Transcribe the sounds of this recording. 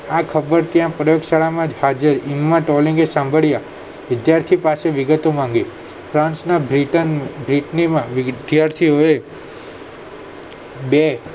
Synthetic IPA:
akʰəbəɾt̪jãpɾəjoɡʃaɭamãd͡ʒhad͡ʒəɾimːãʈɔlĩŋɡesãmbʱəɭja | ʋɪd̪jaɾt̪ʰipaseʋɪɡət̪omãŋɡi | fɾãnsnabɾiʈənbɾɪʈnimãʋd̪jaɾt̪ʰioe | be

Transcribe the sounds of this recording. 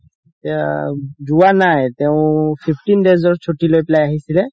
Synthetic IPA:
tad͡ʒuwanajt̪eʊ̃pʰipʰʈinɖezɔɹt͡ʃʰoʈilojpɛlajaɦisilɛ

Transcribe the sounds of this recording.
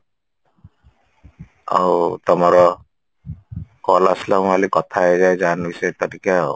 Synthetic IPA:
a̰wt̪ɔmɔɾɔ | kɔlaslamalikɔt̪ʰaezajzanujset̪ɔɾika

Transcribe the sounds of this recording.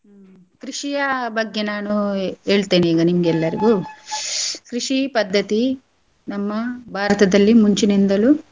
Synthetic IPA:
kɾiʂijɐbɐɡjɐnaːnue̞ːɭt̪eːniːɡɐnimuɡɛlːɐɾḭɡu | kɾiʂipɐd̪ʱːɐt̪i | nɐmːɐbʱaːɾɐt̪ɐd̪ɐlːimuɲt͡ʃinind̪ɐlu

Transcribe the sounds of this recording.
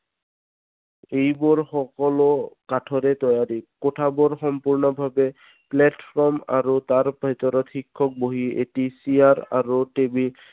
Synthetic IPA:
ejbɔɹxɔkɔlɔkatʰɔɹɛt̪ɔjaɾikotʰabɔɹxɔmpuɹnɔbʱabɛ | plɛtfʰɹɔma̰ɹut̪aɹbʱit̪ɔɾɔt̪xikʰːɔk̚boɦiḛtisiaɹaɹutebi

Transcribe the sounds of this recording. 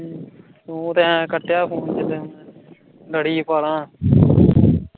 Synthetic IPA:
õːt̪ẽkəʈːjaːpʰoːnt͡ʃele | ləɽiːpaːlãː

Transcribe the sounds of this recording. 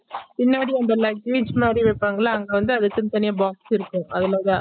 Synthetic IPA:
pɪnːaːɽiɐnɖ̪ɐlɐk̚ɪt͡ʃmaːd̪ɾiʋɐpːaːŋɡɐɭaɐŋɡeʋɐnd̪ɯɐðɯkːɯnt̪ɐnɪjabaːksɪɾɯkːʊ̃ʔɐðɪlaːðãː

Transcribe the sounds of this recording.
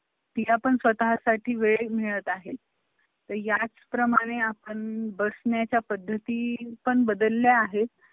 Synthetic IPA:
t̪iːapəɳsʋət̪aɦasaʈʰiːʋeɭemiɭət̪aɦe | t̪əɾjat͡spɾəmaɽ̃eapəɳbəsɳjat͡ɕjapəd̪ʱːət̪iːpəɳbəd̪əlːjaːɦet

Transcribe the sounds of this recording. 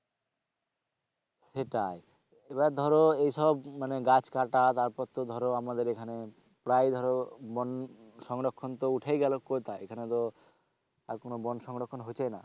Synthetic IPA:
ʃeʈae | ebad̪ʱɔɾoejʃɔbmaneɡat͡ɕkaʈat̪aɾpɔɾt̪od̪ʱɔɾoamad̪eɾekʰane | pɾajd̪ʱɔɾobɔn | ʃɔŋɾokʰːont̪ouʈʰajɡɛlokoɾt̪ʰaekʰanet̪o | aɾkonobɔnʃɔŋɾokʰːonɦot͡ɕʰajna̰

